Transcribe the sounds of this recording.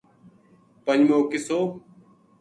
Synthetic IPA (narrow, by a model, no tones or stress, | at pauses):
pəɲd͡ʒmoːkɪsoː